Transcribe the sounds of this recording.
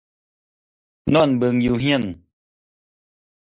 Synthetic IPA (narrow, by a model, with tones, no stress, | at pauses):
nɔ˦˨nbɨ˧ŋju˧ɦj̃n